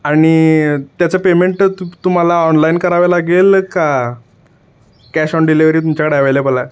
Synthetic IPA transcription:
aɽ̃it̪jat͡səpemeɳʈt̪um̤alaɔnlainkəɾaʋalaɡeːlka | kæɕɔɳɖiliʋɾiːt̪umt͡ɕakəɽeəʋelebəla

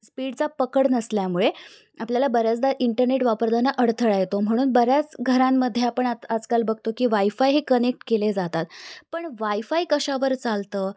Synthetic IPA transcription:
spiːɽt͡sapəkəɽnəsljamuɭe | apljalabəɾjat͡sd̪aʔiɳʈəɾneʈʋapəɾd̪ʱanaʔəɽt̪ʰəɭajet̪om̤əɽ̃uːnbəɾjat͡sɡʱəɾamːəd̪ʱːjeapəɳaad͡zkalbəɡ̚ʱt̪okiːʋaifajɦekənek̚ʈkeled͡zat̪at̪pəɳʋaifaikəɕaʋəɾt͡salt̪əː

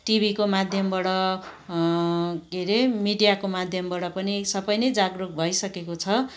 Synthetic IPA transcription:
ʈibʱikomad̪ʱjʌmbʌɽʌ | ɡeɾemiɖijakomad̪ʱjʌmbʌɽʌpʌnisʌbʌjnʌjd͡zaɡruk̚bʱʌjsʌkekot͡sʰʌ

